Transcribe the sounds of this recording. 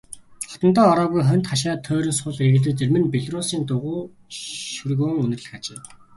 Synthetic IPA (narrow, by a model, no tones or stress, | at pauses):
χɔ̥t̪ɞ̆nt̪ɔːɔɾɔːɣujχœn̥ʲt̪χaʃ̬aːt̪ʰœːɾʲĭnsʊɮeɣɘ̆ɮɘ̆t͡sermɘ̆npeɮrʊsiːnt̪ʊʁʊː | ʃɵrɣɵːŋɵnɘ̆rɮɘ̆xat͡ɕeː